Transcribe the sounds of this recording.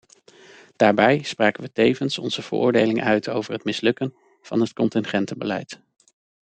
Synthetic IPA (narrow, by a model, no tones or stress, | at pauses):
d̥aːɹbɛjspraːkənʋətejvənsɔnz̥əv̥ə̰ɹʔʊ̰ːɹdejlɪŋʔœɥtʰo̰wvəɹɦətmɪslɵkən | v̥ɑ̰nɦətkɔntɪnχɛntəbəlɛ̰jt